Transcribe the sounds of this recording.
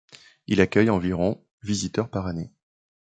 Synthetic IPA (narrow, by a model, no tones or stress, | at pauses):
ilakʲœjɑ̃viʁɔ̃ | vizit̪œʁpaʁane